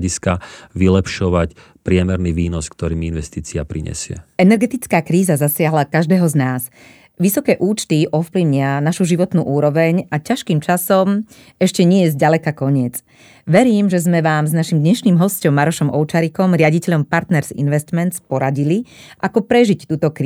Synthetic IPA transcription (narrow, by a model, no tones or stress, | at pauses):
iskaʋilɛpʃɔʋac | pɾɪɛmɛɾniʋiːnɔskt̪ɔɾiːminʋɛst̪iːt͡sia̰pɾiɲɛ̰sɪɛ̰ɛnɛɾɡɛt̪it͡skaːkɾiːzazasɪaɦlakaʒd̪ɛːɦɔznaːz | ʋisɔkɛːʔuːt͡ʃt̪iʔɔfpliʊɲɪanaʃuʒiʋɔt̪nṵːʔuːɾɔʋɛɲʔacaʃkiːmt͡ʃasɔm | ɛʃcɛɲɪɛjɛzɟalɛkakɔɲɪɛd͡z | ʋɛɾiːmʒɛzmɛʋaːmznaʃimd̪ɲɛʃniːmɦɔscɔmːaɾɔʃɔmʔɔʊt͡ʃaɾikɔmɾɪaɟicɛʎɔmpaɾt̪nɛɾzḭnʋɛst̪mɛnt̪t͡spɔɾaɟiliʔakɔpɾɛʒict̪uːt̪ɔkɾi